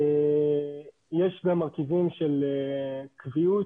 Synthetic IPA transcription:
e | jeʃbamaʁkivimʃelekviut

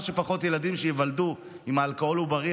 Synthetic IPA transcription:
ʃepaχo̞tjeladimʃejevaldu | imaːlkoo̞lubaʁi

